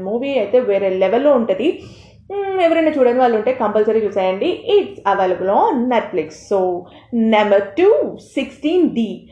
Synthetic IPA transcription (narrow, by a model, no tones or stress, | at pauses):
muːʋiːɐjt̪e̞ːʋeːɾeːleʋelːo̞ːuɳʈud̪i | ɛʋɐɾɐnaːt͡ʃuːɽaːniʋaːɭːuɳʈe̞ːkɐmpɐlsɐɾet͡ʃuːsaːjɐɳɖiʔiʈsɐʋɐlɐɡulonːeʈfliksːoː | nɐmbɐɾʈuːsiksʈiːnɖiː